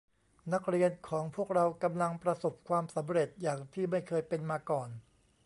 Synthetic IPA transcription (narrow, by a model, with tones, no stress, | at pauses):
na˦˥k̚ɾi˧ənkʰɔː˩˦ŋpʰu˥˩ək̚ɾa˧wka˧mla˧ŋpɾa˧so˨˩p̚kʰwaː˧msa˩˦mɾe˨˩t̪̚jaː˨˩ŋt̪ʰiː˥˩ma˥˩jkʰɤː˧jpe˧nmaː˧kɔː˨˩n